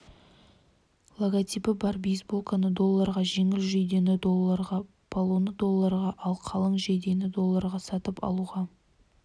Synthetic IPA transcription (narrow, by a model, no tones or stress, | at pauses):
lˠoɡat̪ʲipɪbɑɾbijsbolˠkanəd̪o̞lˠːɑɾʁɑʒe̞ŋɪlʒejd̪e̞nɪd̪olˠːɑɾʁɑ | pʰolˠonəd̪o̞lˠːɑɾʁɑʔɑlˠqʰɑlˠəɴʒejd̪e̞nɪd̪o̞lˠːɑɾʁɑsɑt̪əpɑ̰lˠuʁɑ